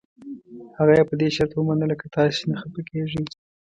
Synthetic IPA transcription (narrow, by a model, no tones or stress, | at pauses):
haɣajepəd̪eʃaɾt̪wəmanəlakat̪ɑsenaxəpəkeʐi